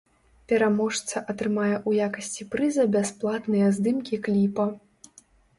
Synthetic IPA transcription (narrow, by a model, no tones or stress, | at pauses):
pʲɛɾamɔʂt̪sɐʔɐt̪ɾɨmajɛʔujakɐsʲt͡sʲipɾɨzɐbʲasplˠat̪nɨjɐzd̪ɨmkʲiklʲipɐ